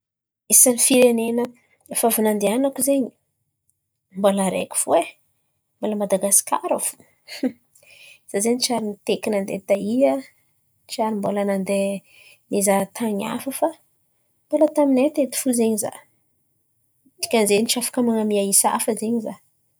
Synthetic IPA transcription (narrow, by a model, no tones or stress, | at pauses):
esanifiɾenenə | efavunand̪eanakuzeɲi | mbolaɾḛkʲi̥v̥ue | mboləmad̪aɡasi̥ka̰ɾəv̥u̥ | z̥azeɲit͡ʃaɾinit̪ekinand̪ḛt̪aia | t͡ʃaɾimbolanand̪e | nizat̪ʰaɲa̰fəfa | mb̥olət̪aminet̪et̪i̥fuzeɲiza̰ | t̪i̥kʲanzenit͡ʃafḁkəmaŋamiaisa̰fəzeɲiza